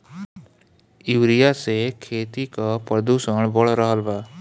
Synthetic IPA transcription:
ɪʋɾijasekʰeːt̪ikapɾəd̪usəɳ̃bɔɭɾəɦəlbaː

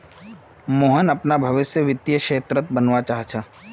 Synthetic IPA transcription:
moːɦənɐpnabʱɐʋɪsjəʋɪt̪jəʃeːt̪ɾət̪̚bənʋat͡ʃaːɦt͡ʃʰaː

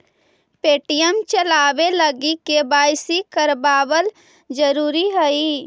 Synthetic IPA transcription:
peːʈijəmt͡ʃəlaːweləɡikebaːjsikəɾbaːwəl | d͡ʒəɾuːɾiɦəiː

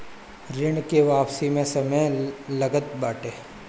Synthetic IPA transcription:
ɾɪɳkeʋaːpsimẽsɐməjlɐɡət̪baːʈeː

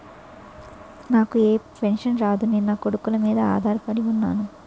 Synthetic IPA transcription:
naːkueːpenʂɐnɾaːd̪uninːɐkoɽukulɐmiːd̪ɐa̰ːd̪ʱaːɾɐpɐɽiunːa̰ːnu

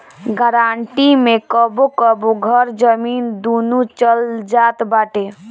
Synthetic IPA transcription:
ɡəɾaɳʈimekəbokəboɡʱəɾd͡ʒəmind̪onut͡ʃəld͡ʒat̪baʈe

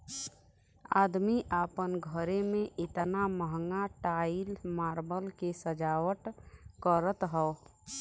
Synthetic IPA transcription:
a̰ːd̪miʔaːpənɡʱəɾemẽʔɪt̪naməɦŋɡaʈaːilmaːɾbəlkesəd͡ʒaːwəʈkəɾət̪ɦɛo

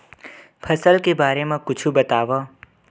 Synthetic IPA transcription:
pʰəsəlkebaːɾemãkʊt͡ʃʰubət̪aːʋa

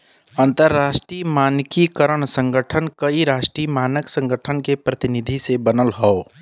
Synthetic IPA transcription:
ənt̪əɾːasʈɾimankikəɾəɳsə̃ŋɡəʈʰənkəiɾasʈɾimanəksə̃ŋɡəʈʰənkepɾət̪inid̪ʱisebənəlɦɔo

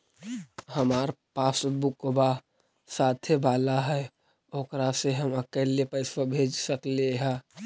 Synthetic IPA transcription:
həmaːɾpaːsbʊkba | saːt̪ʰebaːlaɦɛ | oːkɾaseɦəməkɛːlepəɪsəbʱeːd͡ʒsəkleɦɛ̃ː

